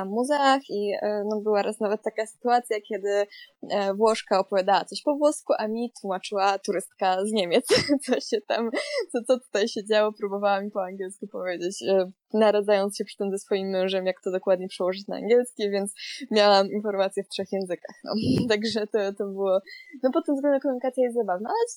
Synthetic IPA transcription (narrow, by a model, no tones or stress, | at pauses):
amːuzɛaxinɔbɘwaɾasnavɛt̪̚ːakasɨ̥t̪uat̪sʲjakʲɛd̪ɘ | vwɔʂkaɔpɔvʲjad̪awasɔɕpɔvwɔskuʔamʲit̪wumat͡ʂɘwat̪uɾɘst̪kazɲemʲjɛt̪st̪sɔɕɛt̪amt̪sɔt̪sɔt̪u̥t̪ajɕed͡ʑawɔpɾubɔvawamʲipɔaŋɡʲjɛlskʲupɔvʲjed͡ʑet͡ɕ | naɾad̪zajɔnt̪sɕɛpʂɨ̥t̪ɛmzɛsfɔjimːɛ̃ʐɛmjakt̪ɔd̪ɔkwad̪ɲɛpʂɛwɔʐɘt͡ɕna̰a̰ŋɡʲjɛlskʲɛvʲjɛnt̪smʲjawaminfɔɾmat̪sʲjɛftʂɛxjɛ̃ñzɘka̰xnɔ̰t̪aɡʐɛt̪ɔt̪ɔbɨwɔnɔpɔt̪̚ːɛmzɡlɛnd̪ɛkɔmuɲikat̪sʲjajɛst̪zabavnaalɛ